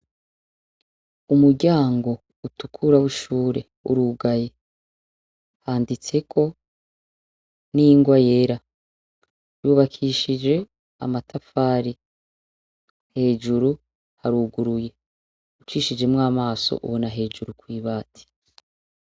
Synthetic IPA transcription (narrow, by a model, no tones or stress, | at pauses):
umuɾɟaːŋɡo̞ | utu̥kʰuɾawiʃuːɾe̞̰ | ṵɾuɡaje̞ | haːndit͡se̞kʰo̞ | niŋɡwaje̞ɾa | juːβakʰiʃid͡ʒe̞ | a̰matʰafaːɾi | he̞ːd͡ʒuɾu | haɾuɡuɾuje̞ | ut͡ʃiːʃid͡ʒemŋaːmaːso̰ʔṵβonaɦe̞ːd͡ʒuɾukwiːβaːtʰi̥